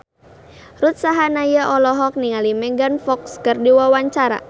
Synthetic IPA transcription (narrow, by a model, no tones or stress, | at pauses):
rut̪̚saɦanajaʔɔlɔɦɔk̚niŋalimɛŋɡanfɔkskərdiwawaɲt͡ʃaɾa̰